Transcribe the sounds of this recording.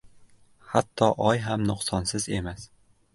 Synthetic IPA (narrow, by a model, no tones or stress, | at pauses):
hat̪ʰːɒʔɒjɦamnʊqsɒnsɪze̞mas